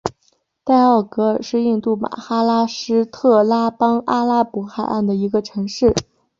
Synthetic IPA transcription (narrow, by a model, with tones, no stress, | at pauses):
t̪a˥˧ɪɑ˥˩ʊkɤ˧˥ʂɻ̩˥˧i˥˧ŋt̪u˥˩ma̰˨˩xa˥la˥ʂɻ̩˥t̪ʰɤ˥˩la˥pɑ˥ŋa˥la˥pu˧˥xa˥˨˩ɪʔa̰˥˩nd̪ə˩i˧˥ɡə˧ʈ͡ʂʰɤ˧˥ŋʂɻ̩˥˩